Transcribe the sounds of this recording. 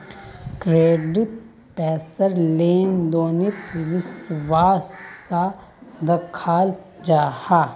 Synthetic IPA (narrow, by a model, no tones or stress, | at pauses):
kɾeːɖɪt̪̚ | pɛːsəɾleːnd̪oːnɪt̪ʋɪswaːsːa | d̪ɐkʰaːl | d͡ʒaːhaː